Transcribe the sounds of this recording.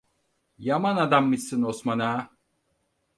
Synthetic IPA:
jamanad̪amːɯsːɯnosmanaː

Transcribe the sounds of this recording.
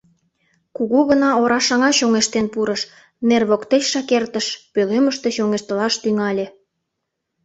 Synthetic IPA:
kuɣuɣənɑoɾɑʃɑŋɑɕoŋeʃt̪enpuɾəʃ | nerβokt̪et͡ɕʃɑkert̪əʃpøleməʃt̪eɕoŋeʃt̪əlɑʃt̪yŋɑlʲĕ

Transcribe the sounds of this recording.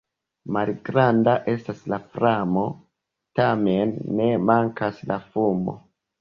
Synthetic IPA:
malɡɾandaʔe̞staslafɾamo̞ | tame̞nːe̞maŋkaslafumo̞̰

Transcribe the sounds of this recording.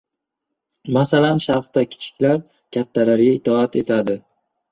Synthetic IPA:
masalanʃaχt̪akʲʰɪ̥t͡ʃʰɪ̥kʲlaɾ | kʲʰat̪ʰːalaɾɡʲaɪt̪ʰɒat̪ʰe̞t̪ʰad̪ɪ

